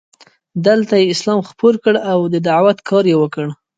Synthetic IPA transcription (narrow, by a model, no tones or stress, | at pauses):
d̪əlt̪ajeɪslɑmxpoɾkəɽawd̪əd̪aʕwat̪kʰɑɾjewəkəɽ